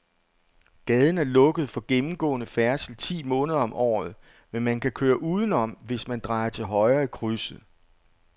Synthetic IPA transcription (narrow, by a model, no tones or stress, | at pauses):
ɡ̥ɛð̞ˠn̩æɐlɔ̽ɡ̥əð̞̩ˠfɒ̽ɡ̥emm̩ɡ̥ɔ̰̽ːnəfæɐsl̩t͡sʰḭːmɔ̽ːnəð̞ˠɐɒ̽mʔɒ̰ːð̞̩ˠ | menmænkʰækʰøːɐʔuːðˠən̩ɒ̽m̰ʋe̝smænd̥ʁɑ̈ɪɐt͡sʰe̝lɦɒ̽ɪɐikʰʁysð̩ˠ